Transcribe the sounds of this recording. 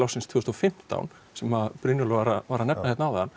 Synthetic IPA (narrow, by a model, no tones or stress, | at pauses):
lɔsɪnst̪ʰvʏːɣʏst̪ɔfɪm̥t̪a̰wn | sɛmaðpɾʏnjɔlʏvaɾavaɾanɛpnahɛt̪nawðɛan